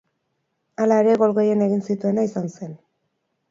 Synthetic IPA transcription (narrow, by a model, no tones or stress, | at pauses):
alaeɾe̞ɣo̞lɣe̞jene̞ɣinsit̪ue̞naisanse̞n